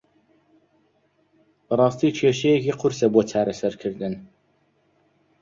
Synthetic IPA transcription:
bərˤɑːst̪iːt͡ʃʰeːʃɛjɛkʰiːqʰʊɾsɛboːt͡sʰɑːɾɛsæɾkʰɨɾd̪ɨn

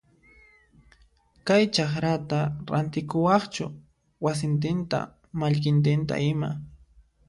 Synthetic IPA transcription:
kajt͡ʃaχɾat̪aɾa̰nt̪ɪkʊwɑχt͡ʃʊ | was̬ɪnt̪ɪnt̪a̰ | maʎkɪnt̪̬ɪnt̪a̰ɪma̰

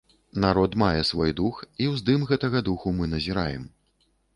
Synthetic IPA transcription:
naɾɔt̪majɛsvɔjd̪uxiwzd̪ɨmɣɛt̪ɐɣɐd̪uxumɨnɐzʲiɾajɛm

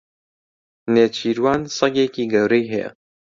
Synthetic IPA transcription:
neːt͡ʃʰiːɾwaːnsɐɡeːkiːɡɐwɾɛjɦɛjɛ̰

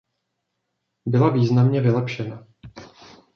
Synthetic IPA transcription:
bɪlaviːznamɲɛvɪlɛpʃɛna

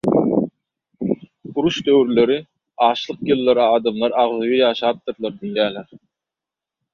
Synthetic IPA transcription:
uɾuʃd̪øwɾyløɾi | ɑːʃlˠɯqjɯlˠːɑɾɑːd̪ɑmlˠɑɾɑʁðɯjɯjɑːʃɑːp̚t̪ɯɾlˠɑɾd̪inlʲjæːleɾ

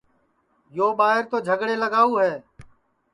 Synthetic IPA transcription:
joːɓaːɦɪɾt̪oːd͡ʒʱəɡɽeːləɡaːuːɦɛː

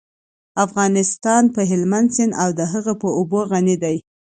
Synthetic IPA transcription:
afɣɑnɪst̪ɑnpəɦɪlmand̪sɪnawd̪əɦəɣəpəoboɣanid̪aj

